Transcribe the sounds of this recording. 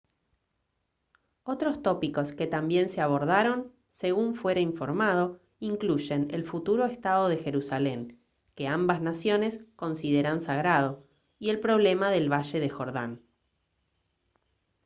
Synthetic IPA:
o̞t̪ɾo̞st̪o̞piko̞ske̞t̪ambje̞nse̞aβ̞o̞ɾðaɾo̞n | se̞ɣuɱfwe̞ɾaiɱfo̞ɾmað̞o̞ | iŋkluʒe̞nḛlfut̪uɾo̞est̪aðo̞ð̞e̞xe̞ɾusale̞ŋ | ke̞ambaznasjo̞ne̞sko̞nsið̞eɾansaɣɾað̞o̞ | ie̞lpɾo̞β̞le̞maðe̞lβaʃe̞ðexo̞ɾða̰n

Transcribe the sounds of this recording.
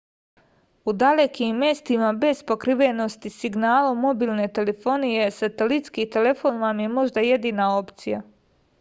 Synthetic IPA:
ud̪alekimːje̞st̪imabe̞zpo̞kɾiʋeno̞st̪isiɡnaːlomo̞biːlne̞t̪e̞le̞fo̞nije̞sat̪elit̪skit̪e̞le̞fo̞nʋamje̞mo̞ʒd̪aje̞d̪iːnao̞pt̪sija

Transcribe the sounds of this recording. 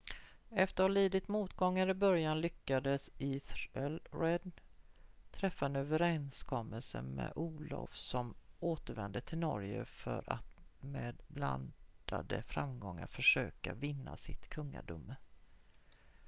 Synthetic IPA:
ɛft̪əɾhaliːd̪ɪt̪muːt̪ɡɔŋːaɾɪbœɾjanlʏkːad̪əsiːθɛlɾɛd̪ | t̪ʰɾɛfːaɛnøːvəɾɛnskʰɔmːəlsə̰mɛʔuːlɔ̰vsɔmoːt̪əɾvɛnd̪ət̪ʰɪlnɔɾjəfœɾʔat̪meːd̪bla̰nd̪̥ad̪əfɾamɡɔŋːaɾfœʂøːkavɪnːasɪt̪kʰɵŋːa̰ɖʊmə

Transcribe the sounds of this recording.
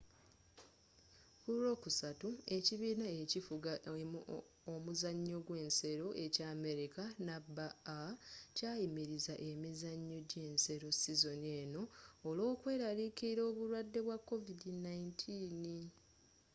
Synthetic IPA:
kuɾo̞ːkusatue̞ciβiːnaecifua | omuzaɲːo̞ɡwe̞ːnse̞ɾo̞ʔe̞caːme̞ɾikanabaacaːjimiɾizaʔe̞mizaɲːo̞ɟe̞ːnse̞ɾo̞sizo̞nie̞ːno̞ːlo̞ːkwe̞ːɾalikiɾo̞ːβuɾwadːe̞βwakːo̞vidinaintʰiːni

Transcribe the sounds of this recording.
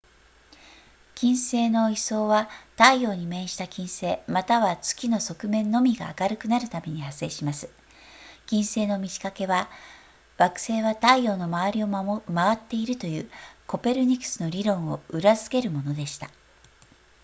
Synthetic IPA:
kʲĩɰ̃se̞ːno̞iso̞ːβat̪aijo̞ːɲ̟imẽ̞ɰ̃ɕi̥t̪akʲĩɰ̃se̞ːmat̪aβat͡sɨ̥kʲino̞so̞kɯ̟mẽ̞nːo̞mʲiɡa̰ːkaɾɯ̟kɯ̟naɾɯ̟t̪ame̞ɲ̟ihasːe̞ːɕimasɨ̥ | kʲĩɰ̃se̞ːno̞mʲiʑi̥kake̞βa | βakɯ̟̥se̞ːβat̪aijo̞ːno̞maaɾʲio̞maβat̪ːe̞iɾɯ̟t̪o̞jɯ̟ːko̞pe̞ɾɯ̟ɲ̟ikːɯ̥sɨno̞ɾʲiɾõ̞ɰ̃o̞ɯ̟ɾazɨ̥ke̞ɾɯ̟mo̞no̞d̪e̞ɕi̥t̪a

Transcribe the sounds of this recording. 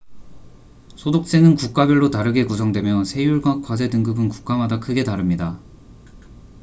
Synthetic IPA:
sʰodok̚t͡ɕ͈enɯnkuk͈abjʌɭːotaɾɯɡe̞kusʰʌŋdwe̞mjʌnsʰe̞juɭɡwak͈wad͡ʑe̞dɯŋɡɯbɯnku̥k͈̚amadakʰɯɡe̞taɾɯmɲida

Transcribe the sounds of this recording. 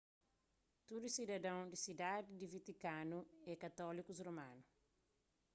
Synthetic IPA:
t̪ud̪usid̪ɐd̪ɐ̃w̃d̪isid̪ad̪id̪ivit̪ikanuɛkɐt̪ɔlikuzromãnu

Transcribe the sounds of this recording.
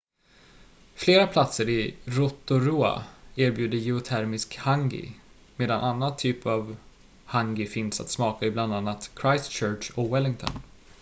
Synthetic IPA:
fleːɾapʰlat̪səɾɪɾɔt̪ːʊɾuːa̰eːɾbjʉ̟ːd̪əjɛʊt̪ʰæɾmɪskhaŋɡɪ̰ | meːd̪anʔanːant̪ʰyːpʰav | haŋɡɪfɪnsa̰t̪smɑːkaɪbland̪anːat̪kʰɾajst͡ʃœːʈʂɔkwɛlːɪŋt̪ʰɔ̰n

